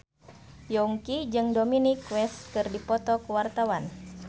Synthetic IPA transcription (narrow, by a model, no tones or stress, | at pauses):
jɔŋkid͡ʒɨŋdominikwɛst̪̚kɨrdipɔt̪ɔkuwart̪awan